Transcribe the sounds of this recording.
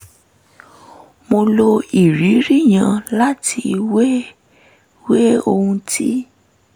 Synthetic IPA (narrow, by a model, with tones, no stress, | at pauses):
mo˧lo˧i˨ɾi˨˦ɾi˦˨j̃ã˧la˦ti˧we˦ | we˦o˧hũ˧tʰi˦